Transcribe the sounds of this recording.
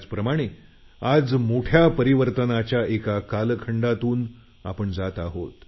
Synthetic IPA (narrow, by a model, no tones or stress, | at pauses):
t͡spɾəmaɽ̃e | ad͡zmoʈʰjapəɾiʋəɾt̪ənat͡ɕjaʔekakalkʰəɳɖat̪uːn | a̰pəɳd͡zat̪aɦot̪